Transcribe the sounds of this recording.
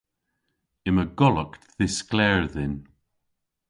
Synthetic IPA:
ɪməɡɔləkðɪsklɛɹðɪn

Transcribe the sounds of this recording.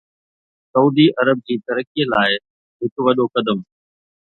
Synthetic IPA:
sɐuːd̪iʔɐɾəb̚d͡ʑiːt̪ɐɾəkielaːɪ | ɦɪkʋɐɗokɐd̪əm

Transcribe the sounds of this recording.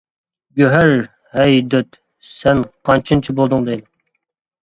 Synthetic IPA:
ɡʲøɦæɾ | hɛjd̪øt̪ | sɛnqʰɑnt͡ʃʰɨnt͡ʃʰibolˠd̪ɨŋd̪el

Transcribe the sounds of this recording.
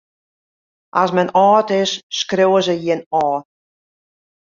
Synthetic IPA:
ʔasmɛnɔːtɪsːkrowəzəjinɔː

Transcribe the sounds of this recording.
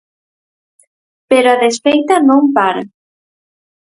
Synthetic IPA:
peɾoaðesfejt̪anõmpaɾa

